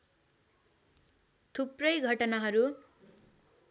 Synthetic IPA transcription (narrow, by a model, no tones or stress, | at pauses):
t̪ʰuprʌjɡʱʌʈʌnaɦʌɾu